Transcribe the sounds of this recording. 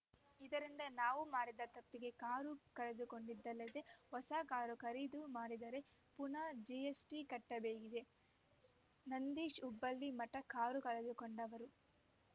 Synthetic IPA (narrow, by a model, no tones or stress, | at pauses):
id̪ɐɾind̪ɐnaːʋumaːɽid̪ɐt̪ɐpːiɡe̞kaːɾukɐɭed̪uko̞ɳɖid̪ːɐlːɐd̪e̞hɔsaːkaːɾukɐɾid̪umaːɽid̪ɐɾe̞ | punaːd͡ʒiesʈikɐʈːɐbeːɡid̪e̞ | nɐnd̪iːʃubːɐlːimɐʈːɐkaːɾukɐɭed̪ukoɳɖɐʋɐɾu